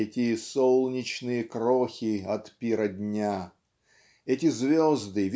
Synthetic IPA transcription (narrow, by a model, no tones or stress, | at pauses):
ɛtʲɪsolˠnʲɪt͡ɕnɨjəkɾoxʲiɐt̪pʲiɾədʲnʲa | ɛtʲɪzvʲozd̪ɨvʲ